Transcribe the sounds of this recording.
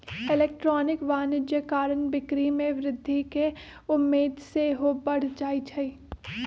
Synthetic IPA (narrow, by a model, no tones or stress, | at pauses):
ɪleːk̚ʈɾɔːnɪkʋaːnɪd͡ʒjəkaːɾənbɪkɾimẽʋɾɪd̪ʱːike | ʊmːeːd̪seɦobɐɽ̤d͡ʒaːit͡ʃʰɐiː